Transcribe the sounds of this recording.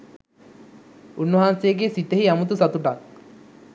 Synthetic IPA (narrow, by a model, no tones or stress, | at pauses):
unːoɦanseɡesit̪eɦiamut̪usat̪uʈak̚